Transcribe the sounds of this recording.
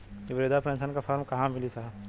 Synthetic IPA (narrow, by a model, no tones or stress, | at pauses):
kiʋɾeːd̪apɾɛ̃nsənkafʰaːɾmkɐɦãmɪlisaɦ